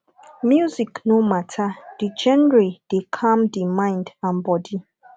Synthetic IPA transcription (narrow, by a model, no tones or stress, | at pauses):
mjuziknomatʰad̥id͡ʒɛnɹid̥ekʰãmdimãɪ̃ndãnbɔdi